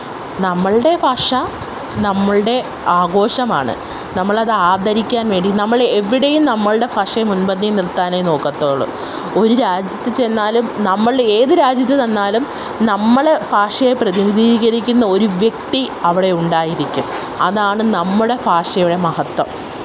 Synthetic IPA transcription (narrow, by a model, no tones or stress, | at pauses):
nɐmːɐɭɽe̞fʰɐʂɐ | nɐmːɐɭɨɽe̞ | aːɡo̞ːɕɐmaːɳɨ̰ | nɐmːɐɭɐðɨaːd̪ʱɐɾikʲːaːnʋe̞ːɳɖinɐmːɐɭeʋːiɽejumnɐmːɐɭɨɽe̞fɐʂɐjmunbɐnːinirt̪ːaːnejno̞ːkːɐt̪ːoːɭṵ | o̞ɾuɾaːd͡ʑjɐt̪ːɨt͡ɕe̞nːaːlumnɐmːɐɭe̞ːðɨɾaːd͡ʑjɐt̪ːɨðɐnːaːlum | nɐmːɐɽe̞faːʂɐjeprɐðiniðiːɣɐɾikʲːunːɐo̞ɾuʋjek̚t̪iɐʋiɽe̞uɳɖaːjiɾikʲːum | ɐ̰ðaːɳɨnɐmːuɽe̞faːʂɐjuɽe̞mɐhɐt̪wɐm